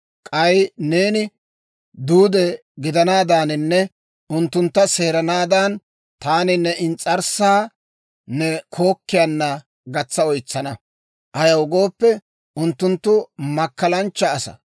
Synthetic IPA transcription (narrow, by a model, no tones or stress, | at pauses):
kʼɐjne̞ːnɪ | d̪uːd̪ɛ | ɡɪd̪ɐnaːd̪aːnɪnːɛ | ʊnt̪ːʊnt̪ːɐse̞ːɾɐnaːd̪aːn | t̪aːnɪnːɛɪnt͡sʼɐɾsaː | nɛkʰo̞ːkːɪjɐnːɐ | ɡɐt͡sːɐɔjt͡sːɐnɐ | ʔɐjɐwʊɡo̞ːpːɛ | ʔʊnt̪ːʊnt̪ːʊmɐkːɐlɐnt͡ʃːɐːsɐ̰